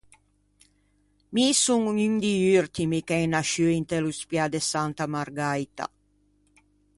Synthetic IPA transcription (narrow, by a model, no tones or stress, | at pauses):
misuŋyŋd̪iyɾt̪imikɛjnaʃyint̪eluspjad̪esant̪amaɾɡajt̪a̰